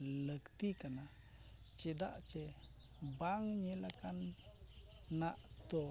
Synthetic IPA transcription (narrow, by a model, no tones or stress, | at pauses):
ləkt̪ikana | t͡ʃed̪a̰ʔt͡ʃe | baŋɲelakan | aʔt̪o